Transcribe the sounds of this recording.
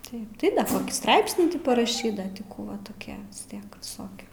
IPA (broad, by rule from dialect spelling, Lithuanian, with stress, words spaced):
ˈtɐɪp ˈtɐɪ ˈkoːkʲiː ˈstrɐɪpʲsʲnʲiː ˈtʲɪ pɐrɐˈʃʲiːt ˈdɐ tʲɪ ˈkuː ʋɐ toːˈkʲiɛ ʋʲɪs ˈtʲiɛk ʋʲɪˈsoːkʲɪ